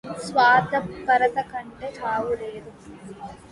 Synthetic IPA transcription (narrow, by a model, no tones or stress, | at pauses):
sʋaːd̪ɐpːɐɾɐðɐkɐɳɖɐtaːʋuɾeːðu